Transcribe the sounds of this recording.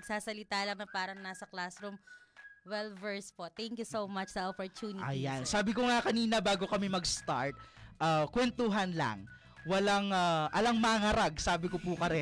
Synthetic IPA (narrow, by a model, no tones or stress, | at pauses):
ɐɡ̥̚saːsɐlɪt̪aːlɐŋnɐpaːɾɐŋnaːsɐklasɾumwɛlvɛɹspot̪ɛŋkjusowmɐt͡ʃd̪ɐʔopoɹt̪juːnɪʔɐjansaːbɪkoŋakɐniːnɐbaːɡo̞kɐmɪmɐɡst̪a̰ɹt̪̚ʔaːkwɛnt̪oɦɐnla̰ŋ | wɐlaŋaʔɐlɐŋmɐŋɐɾaɡ̚saːbɪkopukɐɾɛ